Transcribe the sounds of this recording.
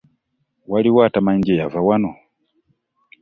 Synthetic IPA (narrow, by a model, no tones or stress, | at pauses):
waliwatamaɲd͡ʒɛjavawanɔ